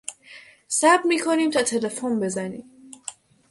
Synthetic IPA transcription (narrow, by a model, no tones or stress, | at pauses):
sæbmiːkʰoniːmt̪ʰɒt̪ʰe̞le̞fonbe̞zænḭːm